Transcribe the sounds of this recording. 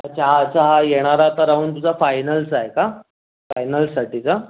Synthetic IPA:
t͡ɕaɦat͡saɦajeɽ̃aɾat̪əɾaʋuːnt̪ud͡zʱafajnəlsaɦeka | fajnəlsaʈit͡sa

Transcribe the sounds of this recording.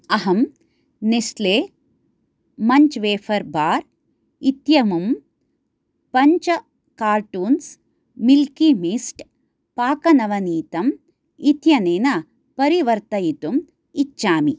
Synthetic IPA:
ɐɦɐm | nesleː | mɐɲt͡ʃʋeːfʰɐɾbaːɾ | it̪jɐmum | pɐɲt͡ʃɐ | kaːɾʈuːns | milkimisʈ | paːkɐnɐʋɐniːt̪ɐm | it̪jɐneːnɐ | pɐɾiʋɐɾt̪ɐjit̪um | it͡ʃːt͡ʃːʃaːmi

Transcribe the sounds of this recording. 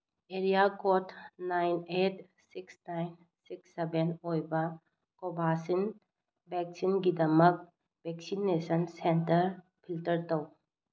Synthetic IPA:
eɾijakɔtnajnet | siksnajn | siksːebenojbɐ | kɔbʱasin | bʱɛk̚sinɡidɐmək̚ | bɛksinesənsentəɾ | pʰiltəɾtɐw

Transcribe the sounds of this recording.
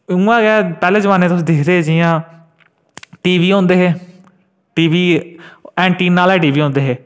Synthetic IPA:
ũːãːɡɛːpɛːleːd͡ʒʋaːneːt̪ʊsĩːd̪ɪkʰd̪eːd͡ʒijãː | ʈiːʋiːõːnd̪eːɦeː | ʈiːʋiː | ɛːɳʈiːnːaːlɛːʈ̬iːʋiːɦõːnd̪eːɦeː

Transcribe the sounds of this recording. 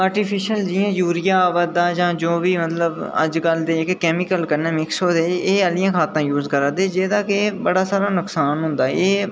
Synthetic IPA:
aːɾʈɪːpʰɪʃəld͡ʒɪjãːjuːɾɪjaːbəd̪aːd͡ʒãːd͡ʒoːbiːmət̪ləbə̰d͡ʒɡəld̪eːɪkkɛːmɪkəlkənɛːmɪksɦoːd̪eːeːəlɪjãːkʰaːt̪ãːjuːzkəɾaːd̪eːd͡ʒeːd̪aːkeːbəɽaːsaːɾaːnʊksaːnɦʊ̃nd̪aːeː

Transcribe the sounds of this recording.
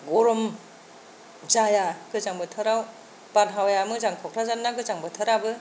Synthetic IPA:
ɡɔɾɔm | zajaɡɯzaŋbɯtʰɯɾaw | b̥anɦawjamɯzaŋkʰɔkʰɾazanːaɡɯzaŋbɯtʰɯɾabɯ

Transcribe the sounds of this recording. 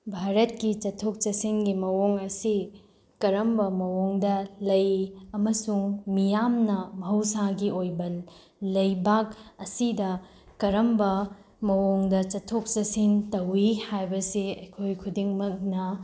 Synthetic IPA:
bʱaɾɐt̚kit͡ʃɐtʰok̚t͡ʃɐsinɡimɐwoŋɐsi | kɐɾɐmbɐmɐwoŋdɐlɐjɐmɐsuŋmijamnɐmɐɦɐwsaɡiojbɐl | lɐjbakɐsidɐ | kɐɾɐmbɐ | mɐwoŋdɐt͡ʃɐtʰːok̚t͡ʃɐsintɐwihajbɐsiɐjkʰojkʰudiŋmɐk̚nɐ

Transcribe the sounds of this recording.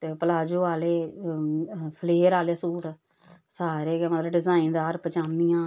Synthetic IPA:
t̪eːpəlaːd͡ʒoːaːleː | pʰəleːɾaːleːsuːʈ | saːɾeːmət̪ləbɖɪzaːind̪aːɾpət͡ʃaːmijãː

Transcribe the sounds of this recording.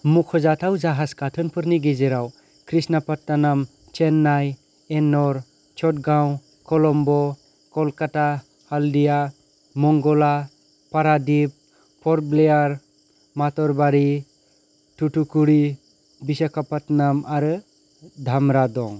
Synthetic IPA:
mukʰɔzatʰawd͡ʒaɦaskatʰɯnpʰɯɾniɡezeɾaw | kʰɾisnapat̚nanam | t͡ʃenːaj | enɔɾ | t͡ʃʰɔt̚ɡaw | kɔlɔmbɔ | kɔlkata | haldija | mɔŋɡɔla | paɾadip̚ | pʰɔɾblejaɾ | matɔɾbaɾi | tutukuɾi | bisakʰapatnamʔaɾɯ | dʱamɾadɔŋ

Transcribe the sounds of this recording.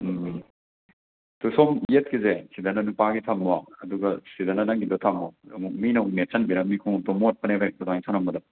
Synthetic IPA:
tusomjet̚kizesidɐnɐnupaɡitʰamːwaɐduɡɐsidɐnɐnɐŋɡidotʰamːoɐmuk̚minɐhunet͡ʃɐnbiɾɐmikʰuŋ̚tomot̚pɐnebʰʱajk̚todaŋisʰanɐmɐdɐ

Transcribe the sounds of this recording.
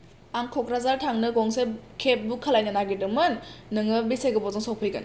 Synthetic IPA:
aŋkʰɔkɾazaɾtʰaŋnɯɡɔŋsekʰep̚bukʰalajnanaɡidɯmɯnːɯŋɯbiseɡɯbɔzɔŋsɔw̚pʰɯjɡɯ̰n

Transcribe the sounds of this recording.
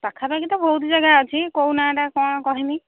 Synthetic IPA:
pakʰapaɡit̪ɔbʱoɦut̪zaɡaat͡ʃʰikownaʈakɔ̃kɔɦini

